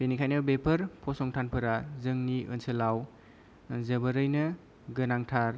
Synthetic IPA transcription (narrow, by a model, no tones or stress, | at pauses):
benikʰajnɐbepʰɐɾpʰɔsɔŋtʰanpʰɯɾazɯŋniʔɯ̰nsɯlaw | zəbəɾɯjnɐ | ɡɯnaŋtʰaɾ